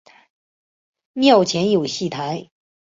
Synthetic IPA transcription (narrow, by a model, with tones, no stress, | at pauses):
mjɑ˥˩ʊt͡ɕʰjɛ˧˥njo˨˩ʊɕi˥˩t̪ʰa˧˥ɪ